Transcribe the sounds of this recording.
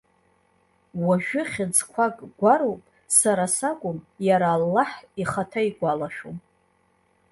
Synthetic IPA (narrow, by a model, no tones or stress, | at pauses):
waʒᶣʊχʲɪd͡zkʷʰakʼɡʷaɾowpʼ | saɾasakʷʼʊmjaɾaːlːaħiχatʰaiɡʷalaʃᶣom